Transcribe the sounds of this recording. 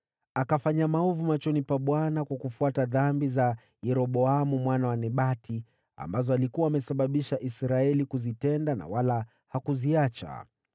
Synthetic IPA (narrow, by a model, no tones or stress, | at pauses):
akafaɲamaɔvumat͡ʃɔnipaɓwanakwakufuataðambiza | jɛɾɔɓɔamumwanawanɛɓatʰi | a̰mbazɔalikuwaːmɛsaɓaɓiʃaʔisɾaɛlikuzitɛndana̰wala | hakuziat͡ʃa̰